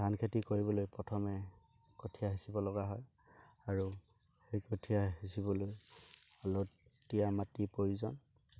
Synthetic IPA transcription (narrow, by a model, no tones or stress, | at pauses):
ankʰetikoɹibɔlojpɹɔtʰɔmɛ | kotʰijaɦisibɔlɔɡaɦɔj | aɹu | xejkotʰijahisibɔlojɔlɔtijamatipɹojuzɔn